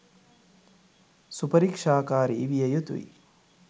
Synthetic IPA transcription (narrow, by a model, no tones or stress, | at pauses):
supɐɾikʂaːkaːɾiːʋijɐjut̪ʋḭ